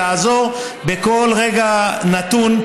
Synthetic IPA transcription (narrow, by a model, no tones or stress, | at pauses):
aːzo̞ʁ | beko̞lʁe̞ɡanat̪un